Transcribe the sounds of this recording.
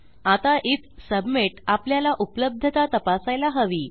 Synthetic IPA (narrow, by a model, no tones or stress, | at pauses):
at̪aʔit̪səbmeʈapljalaʔupləb̚d̪ʱət̪at̪əpasajlaɦəʋiː